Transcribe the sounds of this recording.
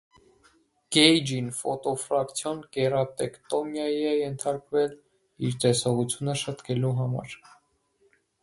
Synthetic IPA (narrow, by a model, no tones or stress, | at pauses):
ɡ̥ɛjd͡ʒinfɔ̰t̪ɔfɾɑkt͡sʰjɔnkɛrɑt̪ɛkt̪ɔmjɑjiɛjɛnt̪ʰɑɾkvɛl | iɾt̪ɛsɔʁut͡sʰjunəʃət̪kʰɛluɦɑmɑ̰ɾ